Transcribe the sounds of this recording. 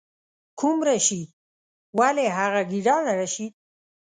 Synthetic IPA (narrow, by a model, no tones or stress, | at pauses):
kʰumɾaʃi | waleɦaɣaɡiɖanaɾaʃi